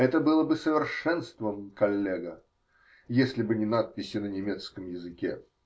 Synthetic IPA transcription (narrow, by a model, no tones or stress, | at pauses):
ɛt̪əbɨlˠəbɨsəvʲɪrʂɛnst̪vəmkɐlʲːeɡə | jesʲlʲɪbɨnʲɪnat̪̚pʲɪsʲɪnənʲɪmʲet̪skəmjɪzɨkʲḛ